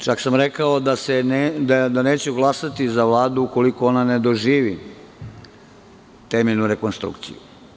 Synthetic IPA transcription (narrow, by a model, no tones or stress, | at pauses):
t͡ʃaksamɾekaod̪asened̪ad̪ane̞ːt͡ɕɛɡlˠasat̪izaʋlˠaːd̪uuko̞liko̞o̞nane̞d̪o̞ʒiːʋi | t̪emeʎnuɾe̞ko̞nst̪ɾṵkt̪sḭjṵ